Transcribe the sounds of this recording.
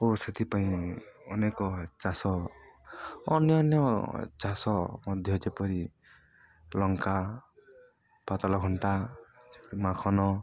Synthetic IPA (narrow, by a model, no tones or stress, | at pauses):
oset̪ʰipaĩɔnekɔt͡ʃasɔ | ɔ̰njɔnjɔt͡ʃasɔmɔd̪ʱjɔd͡ʒepɔɾi | lɔŋka | pat̪alɔɡʱɔɳʈad͡ʒepɔɾimakʰɔnɔ